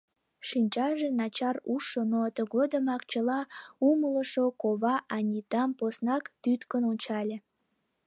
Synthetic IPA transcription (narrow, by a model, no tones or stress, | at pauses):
ʃinʲt͡ɕɑʒenɑt͡ɕɑruʃənot̪əɣod̪əmɑkt͡ɕəlɑumələʃokoβɑʔɑnʲit̪ɑmposnɑkt̪yt̪kənonʲt͡ɕɑlʲe